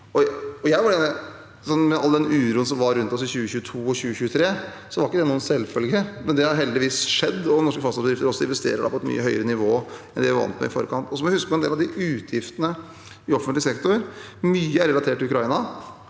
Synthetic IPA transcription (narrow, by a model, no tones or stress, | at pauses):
ɔɔjæɪʋɑɖɛɛ | sɔnːmɛɑld̪ɛnʉːɾuːənsɔmʋɑɾʉnt̪ɔsɪçʉːəçʉːət̪ʰuːɔɕʉːəçʉːət̪ʰɾeː | sɔʋɑɾɪkːəd̪ɛnuːənsɛlːfœlɡəmɛnd̪ɛhɑɾɦɛld̪ɪʋiːsʂɛd̪ːɔnɔʂkəfɑsɑsbəd̪ɾɪft̪əɾɔsːɔɪ̰nʋɛst̪ḛːɾəɖɑ̰pʰɔɛt̪my̰ːəɦœʏəɾənɪʋoːɛnd̪ɛjæʋɑ̰nt̪mɛ̰ɪfo̰ɾəkʰɑnt̪ɔsɔmɔjæhʉskəpɔɛnd̪eːlɑʋd̪ɪʔʉːt̪ʰjɪft̪ənə | ɪɔfənlɪsɛkt̪ʊɾmyːəæɾɛlɑt̪ʰeːʈːɪʉkɾɑɪnɑ